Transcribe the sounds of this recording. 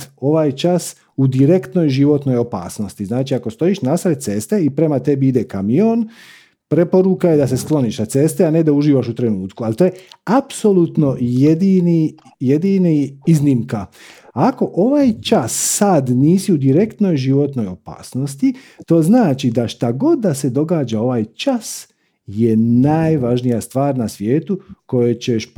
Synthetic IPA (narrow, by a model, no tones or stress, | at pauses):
o̞ʋaːjt͡ʃas | ud̪iɾe̞kt̪no̞jʒiʋo̞t̪no̞jo̞pa̰ːsno̞st̪iznaːt͡ʃiako̞st̪o̞iːʃnasɾet̪̚t̪se̞st̪e̞ipɾe̞mat̪e̞biid̪ekamijon | pɾe̞po̞ɾukajed̪ase̞sklˠo̞niːʃnat̪se̞st̪eane̞d̪auʒiːʋaʃut̪ɾe̞nuːt̪kualt̪oːjeapso̞lut̪no̞jed̪ini | jed̪iniizniːmkaako̞ʔo̞ʋaːjt͡ʃasːad̪niːsiud̪iɾe̞kt̪no̞jʒiʋo̞t̪no̞jo̞pa̰ːsno̞st̪it̪o̞ːznaːt͡ʃid̪aʃt̪aɡo̞d̪dːase̞d̪o̞ɡaːd͡ʒao̞ʋaːjt͡ʃas | jenaːjʋaʒnijast̪ʋaːɾnasʋjeːt̪uko̞jet͡ɕeʃp